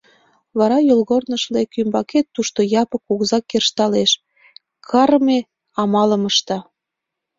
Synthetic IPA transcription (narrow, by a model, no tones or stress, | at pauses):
βɑɾɑjolɣornəʃlekymbɑket̪ːuʃt̪ojɑpəkuɣzɑkːerʃt̪ɑleʃ | kʰɑɾme | ɑmɑləməʃt̪ɑ